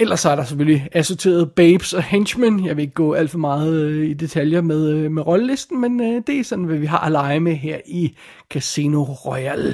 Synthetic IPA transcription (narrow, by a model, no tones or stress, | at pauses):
elɐsːɒæɐɾ̥ɑ̈seføliæso̝t͡sʰe̝̰ːɐð̞̩ˠb̥eɪb̥sɒ̽henɕmænjɑ̈ɪʋe̝e̝ɡ̥əɡ̥ɔ̰ːæl̰d̥fɒ̽mɑ̈ːð̩ˠid̥e̝t͡sʰæljɐmeð̞ˠmeʁɒ̽ləle̝sd̥n̩mend̥e̝æsɒ̽nn̩ʋæʋiɦɑ̰̈ːʔælɑ̈ɪmeɦeɐ̰i | kʰæseno̝ʁɒɪæl